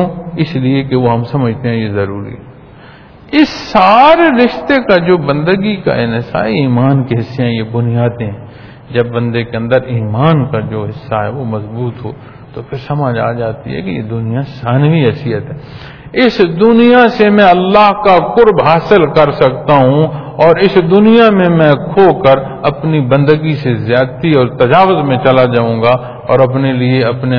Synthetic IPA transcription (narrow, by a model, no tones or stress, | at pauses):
ũɪsliekeʋoɦɐmsɐməd͡ʒʱt̪eɦɛ̃jezɐɾṵːɾḭɦɛ | ɪsːaːɾeɾɪʃt̪ekad͡ʒoːbɐ̃nd̪əɡika̰enɪsa̰ːiiːmaːnkiɦɪsːijãjebʊnijaːd̪ɦɛ̃ː | d͡ʒɐbːɐ̃nd̪ekeə̃nd̪əɾiːmaːnkad͡ʒoːɦɪsːaɦɛʋomɐzbuːt̪ɦo̰ː | t̪opʰɪɾsɐməd͡ʒa̰ːd͡ʒaːt̪ḭɦɛ̰kejḛd̪ʊnijasaːnʋiɦɛːsɪjət̪ɦɛː | ɪsd̪ʊnijasemɛ̃ɐlːaːɦkakʊɾbɦaːsɪlkɐɾsɐkt̪aɦũɔːɾɪsd̪ʊnijamẽmɛ̃ːkʰoːkəɾ | ɐpnibɐ̃nd̪əɡisezjaːt̪iɔːɾt̪ɐd͡ʒaːwəzmẽt͡ʃɐlad͡ʒaːũːɡa | ɔːɾɐp̬nelieɐpne